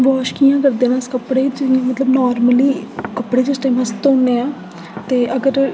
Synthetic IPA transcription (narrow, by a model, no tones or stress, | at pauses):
ʋɔːʃkijãːkəɾd̪eːnãːskəpɽeːd͡ʒɪ̃ːmət̪ləbnɔːɾməliːkəpːɽeːd͡ʒɪsʈãːmɦəst̪ʊ̃neãː | t̪eːʔəɡəɾ